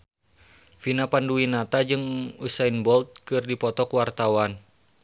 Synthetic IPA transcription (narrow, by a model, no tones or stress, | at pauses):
finapanduinat̪ad͡ʒɨŋusainbɔlt̪̚kɨrdipɔt̪ɔkuwart̪awan